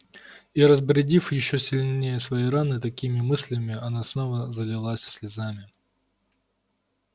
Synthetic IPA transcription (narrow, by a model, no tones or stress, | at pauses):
iɾəzbɾʲɪdʲifjɪɕːosʲɪlʲnʲejəsvɐjiɾanɨt̪ɐkʲimʲɪmɨsʲlʲɪmʲɪɐnasnovəzəlʲɪlˠasʲsʲlʲɪzamʲɪ